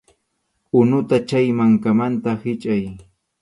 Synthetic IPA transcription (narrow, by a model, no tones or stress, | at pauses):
ʊnʊt̪at͡ʃajmaŋkamant̪ahɪt͡ʃʼaj